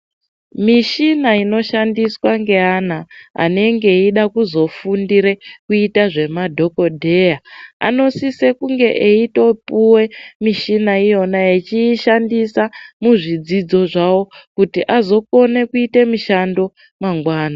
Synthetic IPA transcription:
miʃinaino̞ʃandiswaŋɡe̞anaa̰ne̞ŋɡe̞iɗakuzo̞fundiɾe̞kuitaʐe̞madʱo̞ko̞dʱe̞jaa̰no̞sise̞kuŋɡe̞ʔeito̞puwe̞miʃinaijo̞naet͡ʃiːʃandisamuʐid͡zid͡zo̞ʐawo̞kutiʔazo̞ko̞ne̞kuite̞miʃando̞ | maŋɡwaːna

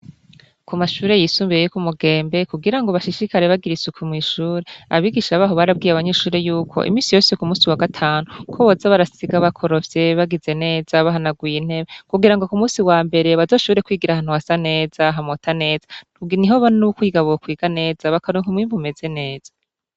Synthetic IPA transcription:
kumaʃuːɾe̞jisuːmbijejokumuɡe̞ːmbe̞kuɡiɾaŋɡo̞βaʃiʃikaɾe̞βaɡiɾisukumŋiːʃuːɾe̞aβiːɡiʃaβaːɦo̞βaɾab̚ɡiːjaβaɲe̞ːʃuːɾe̞juːkʰo̞̰ʔḭmiːnsijo̞ːseokumuːsiwaɡatʰaːnukʰoβozaβaɾasiɡaβakʰo̞ɾo̞vje̞βaɡize̞ne̞ːzaβaɦanaɡujin̥he̞βekuɡiɾaŋɡo̞kumuːsiwaːmbe̞ɾe̞βazo̞ːʃoβiɾekwiːɡiɾahaːn̥uhasane̞ːz̥aɦamotʰane̞ːz̥ḁ | uɡiniɦoβannukwiːɡaβuokwiːɡ̥ane̞ːz̥aβakaɾuŋkumŋiːɱvume̞ze̞ne̞ːz̥ḁ

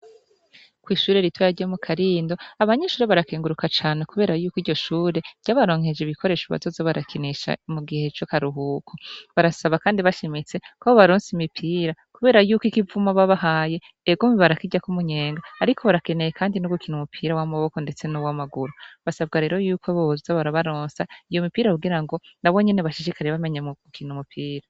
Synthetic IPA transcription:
kwiːʃuːɾeɾitwajaɾɟomukʰaɾiːndo̞aβaɲe̞ʃuːɾeβaɾakeːŋɡuɾukat͡ʃaːnekuβe̞ːɾajuːkiːɾɟo̞ʃuːɾe̞̥ɟ̥aːβaɾo̞ːŋ̥hed͡ʒiβikʰoɾe̞ːʃuβa̰tozaβaɾakʰineʃa̰muɡihe̞t͡ʃokaɾuɦuːkʰoβaɾasaβakaːndiβaʃemit͡se̞kooβaɾoːnsimipʰiːɾakuβe̞ːɾajuːkikivumaβaβaɦaːje̞ | eɡomiβaɾakiɟakumuɲe̞ːŋɡaːɾikʰoβaɾake̞ne̞jekʰaːndinuɡukʰinumupʰiːɾawamaβo̞ko̞nde̞t͡se̞nuwamaɡuɾuβasab̚ɡaɾe̞ːɾo̞juːkwoβozaβaɾaβaɾoːnsaijo̞mipiːɾahuɡiɾaŋɡo̞naβo̞ɲene̞βaʃiʃikʰaɾeβame̞ɲaɡ̥ukʰinumupʰiːɾa

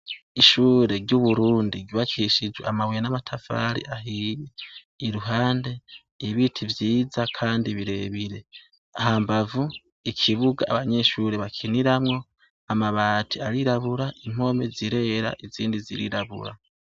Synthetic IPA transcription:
iʃuːɾe̞ɾɟuβuɾuːndiɡiβakiʃid͡ʒwḛamaweenamatʰafa̰ɾḭʔaɦije | iɾuɦaːnde̞ | iβitʰivjiːzakʰaːndiβiɾe̞βiɾe̞ | ahambavu | ikʰiβuɡa̰ːβaɲe̞ʃuɾeβakʰiniɾamŋo̞ | amaβaːtʰiaɾiɾaβuɾaʔim̥o̞me̞ziɾe̞ɾa̰ʔiziːndizḭɾḭɾaβṵɾa̰

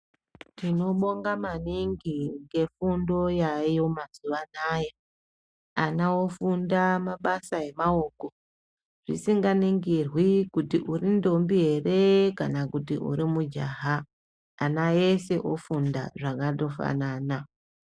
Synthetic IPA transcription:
tino̞ɓo̞ŋɡamaniŋɡiŋɡe̞fundo̞jajo̞maz̥uʋanaːja | anaofundamaɓasae̞mao̞ːko̞ | ʐ̥ḭsiŋɡaniŋɡirwikutiʔurindo̞mbie̞re̞kanakutiṵɾimud͡ʒaːɦaː | naese̞ʔofunda̰ʐakado̞fa̰nana

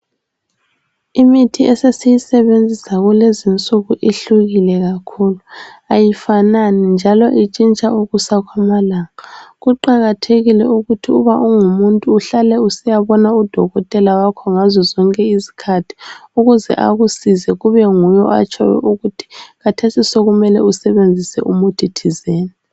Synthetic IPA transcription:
imitʰiɛsesijisɛβend͡zʱisaɣulezint͡sʼuɣuʔiɬuɣilɛɣakʰuːluajifananind͡ʒʱalɔʔit͡ʃʼint͡ʃʼauɣusakʰwamalaːŋaɣuǃaɣatʰeɣilɛuɣutʰiuβauŋumuntʼuːɬalɛusɛjaβɔnaud̥ʱɔɣɔtʼɛlawakʰɔŋazɔzɔŋkʼɛizi̥kʰatʰi̥uɣuzɛ̰ʔa̰ɣusizɛɣuβɛŋujɔ̰a̰t͡ʃʼɔ̰wɛ̰ʔuɣutʰi̥ɣatʰesisoɣumɛlɛusɛβend͡zʱisɛ̰ʔumutʰitʰizeːni

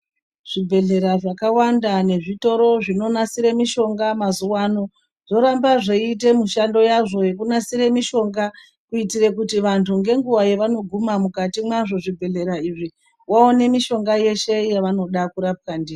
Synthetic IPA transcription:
ʐ̥ibʱe̞ɮe̞ɾaʐakawandane̞ʐito̞ɾo̞ʐino̞nasiɾemiʃo̞ŋɡamazuwaːno̞ | ʐ̥o̞ɾambaʐeit̬e̞muʃando̞jaʐo̞je̞k̬unasiɾemiʃo̞ŋɡa | kuitiɾekutiʋantʰuŋɡe̞ŋɡuwajeʋano̞ɡʱumamukatimaʐo̞ʐibʱe̞ɮe̞ɾaiʐi | waone̞miʃo̞ŋɡaje̞ʃe̞jaʋano̞ɗakuɾap̚kandiːri

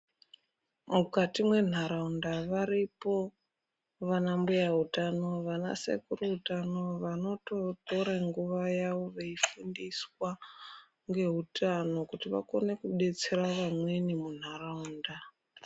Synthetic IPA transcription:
mukatimwe̞n̤aɾaundaʋaɾipo̞ | ʋanambujaɦutano̞ʋana̰sḛkuruɦutano̞ʋano̞to̞to̞ɾaŋɡuʋajaʋo̞ʋeifundiswa | ŋɡe̞ɦutano̞kutiʋa̰ko̞ne̞kuɗe̞t͡se̞ɾaʋamwe̞nimun̤araunda

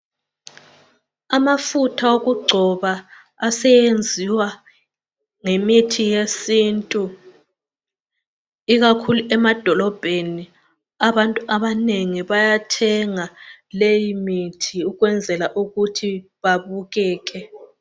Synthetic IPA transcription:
amafutʰaoɣuɡ͡ǀʱɔβaː | sɛjend͡zʱiwa | ŋemitʰijesintʼu | iɣakʰuluʔɛmad̥ʱɔlɔb̥ʱeni | aβantʼuʔaβaneŋiβajatʰɛŋalejimitʰiuɣwɛnd͡zʱɛlaʔuɣutʰiβaβuɣɛːk̬ʼɛ

